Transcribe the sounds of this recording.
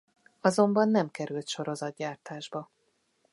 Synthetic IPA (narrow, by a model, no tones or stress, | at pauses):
ɒzo̞mbɒnːɛmkɛɾylt̪ʃo̞ɾo̞zɒd̪̚ɟaːrt̪aːʒbɒ